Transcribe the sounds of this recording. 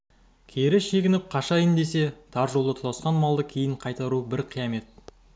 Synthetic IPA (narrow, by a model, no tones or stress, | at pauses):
kʲʰeɾɪʃe̞ɡʲɪnɪp̚qʰɑʃɑjənd̪e̞se̞t̪ʰɑɾʒo̞lˠd̪ət̪ʰlˠɑsqɑnmɑlˠd̪əkʲʰejɪɴqʰɑjt̪ɑɾubɪɾqʰijɑme̞t̪̚